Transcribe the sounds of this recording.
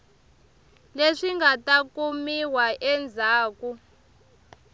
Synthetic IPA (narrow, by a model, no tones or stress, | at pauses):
leʂiŋɡʱatakumiwaʔɛnd͡zʱaːku